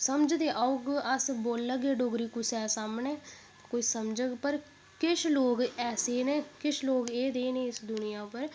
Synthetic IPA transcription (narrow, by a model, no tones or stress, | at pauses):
səmd͡ʒd̪eːʔaːʊɡəsboːlːəɡeːɖoːɡɾiːkusɛːsaːmneː | koːisəmd͡ʒəɡpəɾ | kɪʃʰloːɡɛːseːneːkɪʃʰloːɡeːd̪eːneːɪsd̪ʊnɪjãːpəɾ